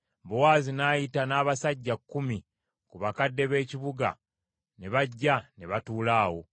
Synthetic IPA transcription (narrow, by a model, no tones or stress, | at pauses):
buwaːzinaːjitanaːβasaɟːakːumi | kuβakadːe̞βe̞ːciβuɡa̰ | ne̞βaɟːane̞βatuːlaːwo̞